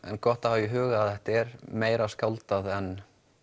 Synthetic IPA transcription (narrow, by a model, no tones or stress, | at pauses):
ɛ̰nkɔht̪ahavjʏɦʏːɣaaðɛht̪ɛɾmeːjɾascawlt̪aðɛn